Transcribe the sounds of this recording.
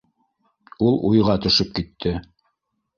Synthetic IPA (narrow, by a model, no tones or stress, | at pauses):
ulˠujʁɑt̪ɵ̆ʃɵp̚kit̪ʰːɘ